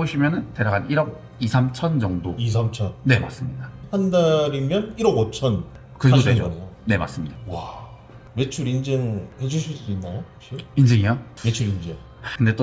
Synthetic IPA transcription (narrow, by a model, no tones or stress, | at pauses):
boɕʰimjʌnɯnte̞ɾaɡaniɾʌɡ̚ | isʰamt͡ɕʰʌnd͡ʑʌŋdois̬ʰamt͡ɕʰʌnne̞ma̰s͈ɯmɲidahandaɾimjʌniɾʌɡʌt͡ɕʰʌn | kɯɾeoted͡ʑnejone̞ma̰s͈ɯmɲidawa | me̞t͡ɕʰuɾind͡ʑeŋhe̞d͡ʑuɕʰiɭs͈uinːajo̥ | ɕʰoind͡ʑʰeŋiamet͡ɕʰuɾind͡ʑeŋ | kɯndet͈o